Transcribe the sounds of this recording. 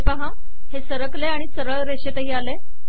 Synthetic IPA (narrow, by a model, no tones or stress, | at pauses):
pəɦã | hesəɾəkleaɽ̃isəɾəɭɾeɕet̪əɦiːale